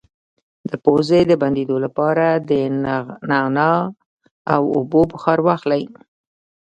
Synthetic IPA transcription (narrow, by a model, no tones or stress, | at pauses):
d̪̥əpozed̪əband̪ed̪olapɑɾad̪ənɑnɑ | awʊbobəxɑɾwɑxlaj